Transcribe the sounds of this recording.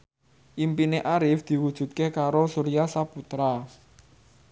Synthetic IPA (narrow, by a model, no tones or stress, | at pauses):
ʔimpineʔaɾɪfd̪̥i̤wud̥ʒ̥ṳt̪̚kekaɾosuɾijasaput̪ɾa